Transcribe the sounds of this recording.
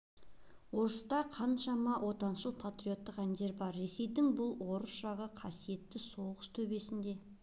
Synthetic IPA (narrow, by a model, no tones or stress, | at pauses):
wo̞ɾəst̪ɑqʰɑnʃɑmɑwʔo̞t̪ɑnʃəlˠpʰat̪ɾijot̪ːəqænd̪e̞ɾbɑɾːe̞se̞jd̪ɪŋbʊlˠwo̞ɾəsʒ̥ɑʁəqʰɑsije̞t̪ːɪso̞ʁəst̪ʰɵbe̞sɪnd̪e̞